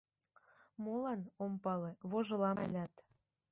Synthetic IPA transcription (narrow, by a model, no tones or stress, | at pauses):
molɑnompɑleβoʒŏlɑlʲɑt̪